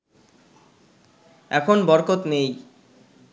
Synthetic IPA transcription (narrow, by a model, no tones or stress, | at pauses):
ɛkʰonbɔɾkot̪nej